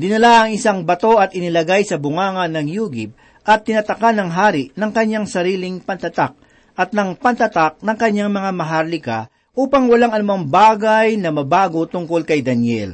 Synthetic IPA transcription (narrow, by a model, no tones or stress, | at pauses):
d̪ɪnɐlaʔɐŋʔɪsaŋbɐt̪o̞ɐt̪ɪnɪlɐɡajsɐbʊŋaːŋɐnːɐŋjuːɡɪp̚ | ʔɐt̪ːɪnɐt̪ɐkanːɐŋɦaːɾɪʔnɐŋkɐɲːaŋsɐɾiːlɪŋpɐnt̪ɐt̪ak̚ | ʔɐt̪̚nɐŋpɐnt̪ɐt̪ak̚nɐŋkɐɲːaŋmɐŋamɐɦaɾlɪka̰ | ʔuːpɐŋwɐlaŋɐnʊmaŋbaːɡɐjnɐmɐbaːɡot̪ʊŋkolkɐjd̪ɐnjɛ̰l